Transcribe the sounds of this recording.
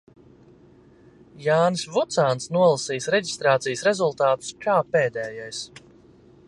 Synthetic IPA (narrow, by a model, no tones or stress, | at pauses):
jaːnsvut̪saːnt̪snuɔlˠasiːsɾɛɟi̥st̪ɾaːt̪sijsɾɛzulˠt̪aːt̪u̥skaːpeːd̪ɛːjajs